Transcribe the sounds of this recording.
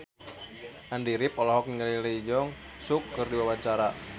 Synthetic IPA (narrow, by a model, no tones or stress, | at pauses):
ʔandiɾip̚ɔlɔɦɔk̚niŋaliləid͡ʒɔŋ | sukːɨrdiwawaɲt͡ʃaɾa